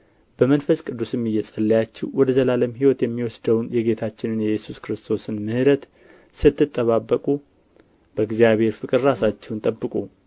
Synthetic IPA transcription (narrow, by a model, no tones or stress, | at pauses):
b̥əmənfəskʼɨd̪ːusjɛmːijːɛsʼəlːəjat͡ʃːɛwwɔd̪əzəlaləmhiwɔt̪jɛmːiwɔsd̪əwnjɛɡe̞t̪ʰat͡ʃːɪnɨnjɛjɛsuskɾɨst̪ʰo̞sɨnmɨhɨɾət̪ | sɨt̪ːɨt̪ʼːəβabːəkʼu | b̥əɡzjaβhe̞ɾfɨkʼɨɾɾasat͡ʃːɛwnt̪ʼəbːɨkʼu